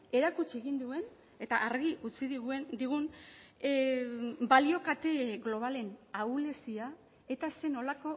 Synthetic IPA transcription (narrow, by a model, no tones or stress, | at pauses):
e̞ɾakut͡ʃie̞ɣind̪ue̞n | e̞t̪aʔaɾɣiʔut͡siðd̪iɣun | balio̞kat̪e̞ɣlo̞β̞ale̞nawle̞sia | e̞t̪ase̞no̞lako̞